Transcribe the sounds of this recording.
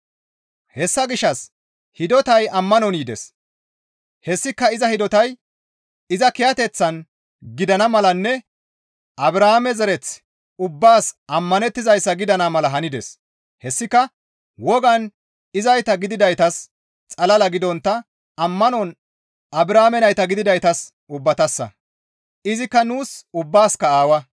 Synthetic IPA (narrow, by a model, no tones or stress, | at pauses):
hɛsːɐɡɪʃːɐs | hɪd̪ɔt̪ɐjɐmːɐnɔniːd̪ɛ̰s | hɛsːɪkːɐɪzɐhɪd̪ɔt̪ɐj | ɪzɐkɪjɐt̪ɛt͡sːɐn | ɡɪd̪ɐnɐmɐlɐnːɛ | ʔɐbɾahamɛzɛɾɛt͡s | ʊbːaːsʔɐmːɐnɛt̪ːɪzɐjsːɐɡɪd̪ɐnɐmɐlɐɦɐnɪd̪ɛ̰s | hɛsːɪkːɐ | wɔɡɐn | ɪzɐjt̪ɐɡɪd̪ɪd̪ɐjt̪ɐs | t͡sʼɐlɐlɐɡɪd̪ɔnt̪ːɐ | ɐmːɐnɔn | ɐbɾaːmɛnɐjt̪ɐɡɪd̪ɪd̪ɐjt̪ɐs | ʊbːɐt̪ɐsːɐ̰ | ɪzɪkːɐnuːsʊbːaːskɐaːwɐ